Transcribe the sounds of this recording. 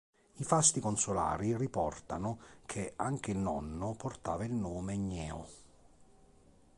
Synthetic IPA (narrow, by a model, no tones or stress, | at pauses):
ifast̪ikonsʊla̰ːɾiripɔrt̪anʊkʰɪaŋk̟ɪilnɔ̰nːʊpʊrt̪aːvailnoːmɪɲːɛːʊ